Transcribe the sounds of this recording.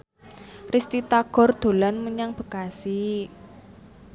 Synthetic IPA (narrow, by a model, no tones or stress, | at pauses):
rist̪it̪aɡ̥ɔ̤rd̪̥o̤lanməɲaŋb̥ə̤kasi